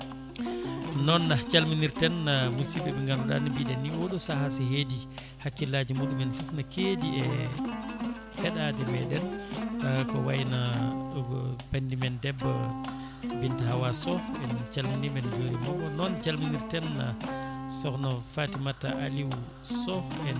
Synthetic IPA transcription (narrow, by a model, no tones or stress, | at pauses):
nɔnːat͡ʃalminiɾtɛnːamusiɓɛɓɛŋɡanɔɗa̰nibidɛnːiwɔɗɔsaɦasiɦedi | hakːilaːd͡ʒimuɗumɛnfufnakeːdiɛ | hɛɗadɛmɛdɛntakɔwajinaɡɔbandimɛndɛbːa | bintahawasɔɓɛnt͡ʃalminibɛnd͡ʒoɾimɔbɔnɔnt͡ʃalminiɾtɛnːa̰sɔhnɔfatimatːaʔaliw | sɔɛ